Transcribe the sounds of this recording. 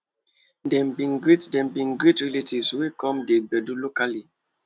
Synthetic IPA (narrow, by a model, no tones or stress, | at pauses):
dɛ̃mbĩnɡɹetdɛ̃mbĩnɡɹetɹɛletivswekʰɔ̃mdebɛdulokali